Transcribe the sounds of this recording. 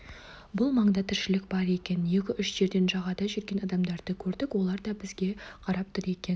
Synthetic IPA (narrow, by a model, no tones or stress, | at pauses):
bʊlˠmɑɴd̪ɑt̪ʰɪɾʃɪlɪk̚bɑɾe̞kʲe̞nje̞kʲɪʔʏʃʒ̥e̞ɾd̪e̞nʒɑʁɑd̪ɑʒʏɾɡʲe̞nɑd̪ɑmd̪ɑɾd̪əkʲʰɵɾd̪ɪkwo̞lˠɑɾd̪ɑbɪzɡʲe̞qʰɑɾɑp̚t̪ʰʊɾe̞kʲe̞n